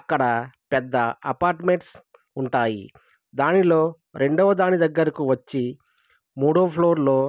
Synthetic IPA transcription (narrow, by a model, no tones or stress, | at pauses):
ɐkːɐɽɐpɛd̪ːɐɐpaːɾʈme̞ɳʈs | uɳʈaːjḭ | d̪aːnilo̞ː | ɾʔe̞ɳɖɔʋɐd̪aːnid̪ɐɡːɐɾɐkuʋɐt͡ʃːi | muːɽoːpʰlo̞ːɾlo̞ː